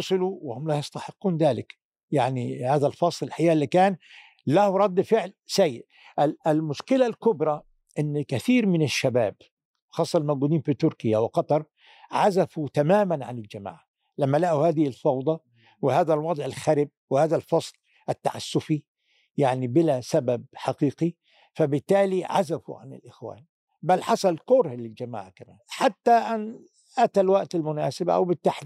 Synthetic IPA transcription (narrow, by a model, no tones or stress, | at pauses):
ʊsˤɨluwɪhʊmlajɪst̪aħɪqːuːnd̪aːlɪk | jaʕnihaːðalfɑsˤlɪlħajaːʔlːikaːn | lahɾˤɑd̪ːfɪʕlsajːɪʔ | ʔɪlɪlmʊʃkɪlalkʊbɾˤɑ | ʔɪnːkaθiːɾmɪnɪʃːabaːb | xɑːsˤːɑlmaɡuːd̪iːnfit̪ʊɾkɪjawɪqɑt̪ˤɑɾˤ | ʕazafut̪amaːmanʕanɪld͡ʒama̰ːʕa | lamːalaʔuhaːd̪ɪhɪlfɑwd̪ˤɑ | wɪhaːðalwɑd̪ˤʕɪlxaɾɪb̚wɪhaːðalfɑsˤl | ʔɪt̪ːa̰ʕa̰sːʊfi | jaʕnibɪlasabab̚ħaqiːqi | fabɪt̪ːaːliʕa̰zafṵʕa̰nɪ̰lʔɪxwa̰ːn | balːħɑsˤɑlkʊɾhlɪld͡ʒama̰ːʕakama̰ːnħat̪ːaʔɪn | ʔat̪alwaʔt̪ɪlmʊnaːsɪbʔa̰wbɪt̪ːaħd̪